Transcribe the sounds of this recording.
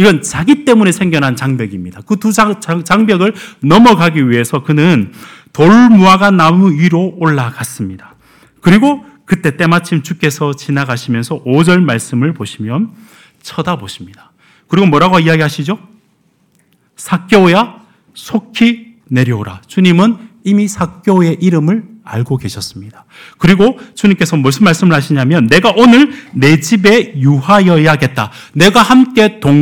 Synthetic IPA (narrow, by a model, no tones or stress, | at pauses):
iɡʌnt͡ɕaɡit͈e̞mune̞sʰe̞ŋɡjʌnɦant͡ɕaŋbjʌɡimɲidakɯtuat͡ɕaŋbjʌɡɯɭnʌmʌɡaɡiɥiɦe̞sʰʌkɯnɯn | toɭmuaɡanamuiɾooɭːaɡas͈ɯmɲidḁ | kɯɾiɡo | kɯt͈e̞t͈e̞mat͡ɕʰimt͡ɕuk͈e̞sʰʌt͡ɕinaɡaɕʰimjʌnsʰʌʔod͡ʑʌɭmaɭs͈ɯmɯɭpoɕʰimjʌn | t͡ɕʰʌdaboɕʰimɲid̥ḁ | kɯɾiɡomwʌɾaɡaiaɡiɦaɕʰid͡ʑo | sʰak͈joja | sʰokʰi | ne̞ɾjʌoɾa̰t͡ɕuɲimɯnimisʰak͈joe̞ʔiɾɯmɯɭa̰ɭɡoɡe̞ɕʰʌs͈ɯmɲidḁ | kɯɾiɡot͡ɕuɲimk͈e̞sʰʌmʌɭs͈ɯnmːaɭs͈ɯmɯɭhaɕʰiɲamjʌnːe̞ɡaʔonɯɭne̞d͡ʑibe̞juɦajʌjaɡe̞t̚t͈a | ne̞ɡahamk͈e̞toŋ